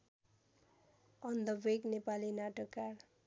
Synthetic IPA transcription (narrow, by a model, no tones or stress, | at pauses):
ʌnd̪ʌbeknepalinaʈʌkːar